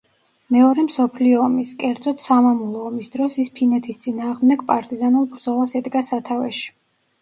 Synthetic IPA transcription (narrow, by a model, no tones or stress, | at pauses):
mɛɔɾɛmsɔpʰliɔːmiskʼɛɾd̪zɔt̪ʰsamamulˠɔːmisd̪ɾɔsispʰinɛt̪ʰist̪sʼinaːʁmd̪ɛɡpʼaɾt̪ʼizanulˠbɾd̪zɔlˠasɛd̪ɡasat̪ʰavɛ̰ʃi̥